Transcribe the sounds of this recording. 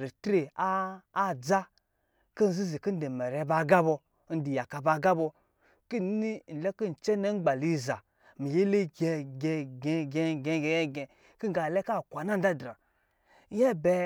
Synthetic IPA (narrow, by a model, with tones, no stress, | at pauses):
ɾi˨tɾe˨aː˦˨d͡za˦ | ki˦n̩˨zi˦zi˨ki˦n̩˦de˨me˨ɾe˨˧˦ba˨ɡa˦bo˧˦ | n̩˦di˨ja˨ka˨ba˧ɡa˦bo˧ | ki˦ni˦˨n̩˨le˦ki˦n̩˨t͡ʃe˦ne˦ɡ͡ba˨li˦za˨ | mi˨je˦le˦ɡe˧ɡe˧ɡe˧ɡe˧˨ɡe˧˨ɡe˨e˦ɡe˨ | ki˦ɡa˨le˦ka˦˨kʷa˨na˦n̩˦da˦dɾa˨˦ | e˦be˨˧